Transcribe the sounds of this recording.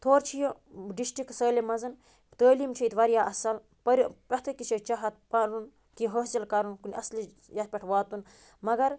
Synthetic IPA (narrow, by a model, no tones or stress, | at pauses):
t̪ʰoːɾt͡ʃʰijo | ɖisʈɾiksəːlemɐzɐn | t̪əːliːmt͡ʃʰijt̪ʋɐɾjaːʔɐsɐl | pɐɾʲpɐt̪ʰɨkit͡ʃʰɐt͡ʃɐɦɐt̪̚pɐɾun | kiɦəszɐlkɐɾunkunʲɐsli | jɐt̪̚pʲɐʈʰʋaːt̪un | mɐɡɐɾ